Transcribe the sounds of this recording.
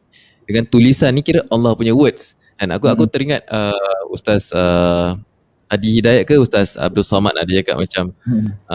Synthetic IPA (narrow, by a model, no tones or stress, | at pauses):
dəŋant̪ulisanːĩkiɾaʔɔnlɔhpuɲawət̪̚s | kanakuakut̪əɾiŋat̪̚əust̪asə | hadihidajaʔ̚kəust̪asa̰b̚dulsɔmat̪a̰did͡ʒaka̰ʔmat͡ʃam